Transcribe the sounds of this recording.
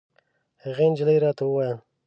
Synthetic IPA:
haɣend͡ʒɪləjɾɑt̪awəwɑjan

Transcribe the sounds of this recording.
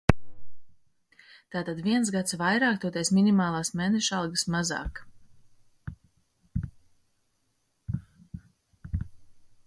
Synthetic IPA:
t̪aːt̪ad̪viɛns̬ɡat̪svajɾaːkt̪uɔt̪ejsminʲimaːlˠaːsmeːnɛʃalˠɡəsmazɑ̰ːk

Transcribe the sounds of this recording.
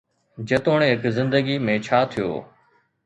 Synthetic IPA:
d͡ʒət̪oːɳɦɪkzɪ̃nd̪əɡimẽːt͡ʃʰaːt̪ʰijo̰ː

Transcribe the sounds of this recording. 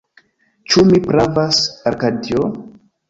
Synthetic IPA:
t͡ʃumipɾavasaɾkadio

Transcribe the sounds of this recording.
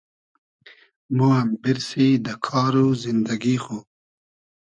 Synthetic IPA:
moambɪɾsid̪əkʰɑːɾuzɪnd̪aɡixo

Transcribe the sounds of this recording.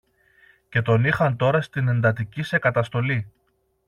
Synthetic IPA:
ce̞t̪o̞nixɐnt̪o̞ɾɐst̪ine̞nd̪ɐt̪̬icise̞kɐt̪ɐst̪o̞li

